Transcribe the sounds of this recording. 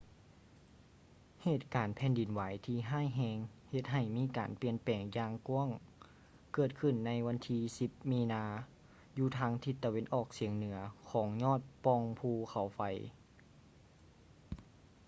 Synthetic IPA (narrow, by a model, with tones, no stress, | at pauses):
heː˧˩t̪̚kaː˨˩npʰɛː˧˥ndi˨˩nwaː˨˦jt̪ʰiː˧ɦaː˥˨jɦɛː˧ŋhe˧t̪̚ɦa˧˩jmiː˧˥˨ka̰ː˨˩npi˧˩ənpɛː˨˩ŋjaː˧ŋku˧˥əŋ | kɤː˧˩t̪̚kʰɯ˧˩nːa˧˥jwa˧˥nt̪ʰiː˧si˧˦p̚miː˧naː˧ | juː˧t̪ʰaː˧˥ŋt̪ʰi˧t̪ːa˧we˧nʔɔː˧˩k̚si˩˦əŋnɯ˨˩˦ɐkʰɔː˨˦ŋɲɔː˥˩˨t̪̚pɔ˧ŋpʰuː˧kʰa˨˩wfa˨˦j